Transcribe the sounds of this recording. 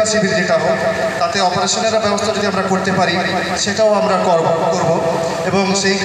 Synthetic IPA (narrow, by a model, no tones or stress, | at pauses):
aɾsibʱiɾd͡ʑeʈao | t̪at̪eɔpoɾeʃoneɾabɛbost̪ʰanid̪iamɾakoɾt̪epaɾi | ʃeʈaoamɾakɔɾbokoɾbo | eboŋʃej